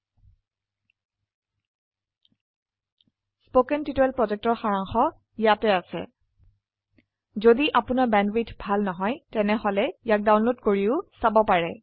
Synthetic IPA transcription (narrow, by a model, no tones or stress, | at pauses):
spokɛntitɔɛlpɹɔzɛk̚tɔɹxaɹaŋxɔ | jatɛasɛ̰ | zodiʔapʊnaɹbɛndwitʰbʱalnɔɦɔjtɛnɛɦɔlɛjak̚dawnlodkoɹiʊsabɔpaɹɛ